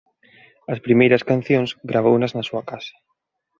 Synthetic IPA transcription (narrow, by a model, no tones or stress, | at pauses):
ɐspɾimejɾɐskan̟θjõŋzɡɾaβ̞ownɐznɐsuɐkasḁ